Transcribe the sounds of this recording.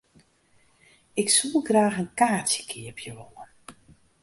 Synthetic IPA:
ɪksulˠɡraːxənkaːtjə̥kʰiəpʰjəʋoən

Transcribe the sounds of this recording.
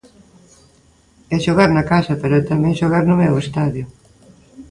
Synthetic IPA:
ɛʃoɣaɾnɐkasɐpeɾʊt̪amɛ̃ŋʃoɣaɾnʊmɛwest̪aðjʊ

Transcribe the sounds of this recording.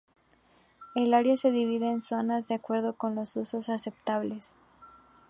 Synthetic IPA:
e̞laɾjase̞ðiβ̞iðe̞ːnso̞nazðeakwe̞ɾð̞o̞ko̞nlo̞suso̞sase̞p̚t̪aβle̞s

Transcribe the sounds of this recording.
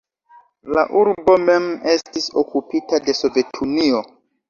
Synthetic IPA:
laʔuɾbo̞meme̞stisokupitade̞so̞ve̞tʰunio

